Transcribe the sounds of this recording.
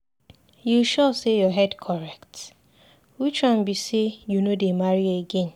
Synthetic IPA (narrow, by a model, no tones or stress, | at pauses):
juʃɔsejɔɦɛdkʰɔɾɛkt | wit͡ʃɾãmbisejunodemaɾieɡen